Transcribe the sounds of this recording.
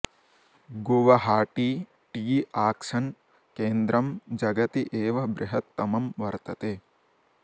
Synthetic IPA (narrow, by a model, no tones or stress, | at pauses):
ɡoʋɐɦaːʈi | ʈiːaːkʂɐn | keːnd̪ɾɐmd͡ʒɐɡɐt̪iʔeːʋɐbɾɪɦɐt̪ːɐmɐmʋɐɾt̪ɐt̪eː